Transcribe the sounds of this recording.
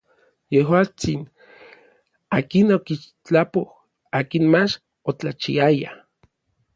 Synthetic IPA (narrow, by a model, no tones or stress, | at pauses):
jehwaːt͡sin | aːkinokiʃ | t͡ɬapoh | aːkinmat͡ʃ | ot͡ɬat͡ʃḭaja